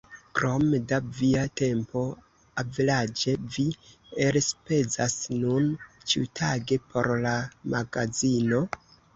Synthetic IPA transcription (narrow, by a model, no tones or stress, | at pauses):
kɾomedaviate̞mpo̞ | avelad͡ʒe̞vi | eɾspe̞zasnunt͡ʃiutʰaɡe̞pʰo̞̰ɾlamaɡazino̞